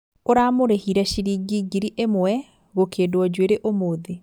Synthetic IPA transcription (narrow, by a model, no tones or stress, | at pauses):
oɾamoɾehiɾɛʃiɾiːɡiːɡiɾiʔemwwɛ | ɣokʰeːdwɔd͡ʑweɾeʔomoːðe